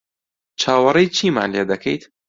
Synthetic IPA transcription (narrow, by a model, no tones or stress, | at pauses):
t͡ʃʰaːwɐrejt͡ʃʰiːma̰ːnled̪ɐkʰɐ̰jt̪